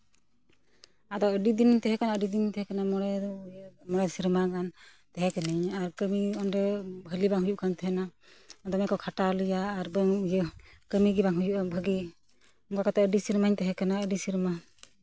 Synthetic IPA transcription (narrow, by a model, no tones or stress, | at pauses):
ad̪ɔəɖid̪iniɲt̪ɛɦɛkanaəɖid̪inɲt̪ɛɦɛkanamɔɛ | mɔɾɛsiɾmaɡan | t̪ɛɦɛkɛniɲaɾkəmiɔnɾɛbʱəlibaŋɦujuʔkʰant̪ʰəɦɛna | ad̪ɔmɛkɔkʰaʈalɯjaːɾbəŋjəkəmiɡibaŋɦujuʔabʱəɡi | ɔŋɡakat̪ɔəɖisiɾmaɲt̪ɛɦɛkanaəɖisiɾma